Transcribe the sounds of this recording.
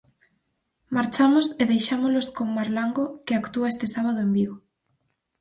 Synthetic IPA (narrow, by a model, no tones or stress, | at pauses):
maɾt͡ʃamʊseðejʃamozloskoŋmaɾlaŋɡokeakt̪uaest̪ɪsaβaðoembiɣo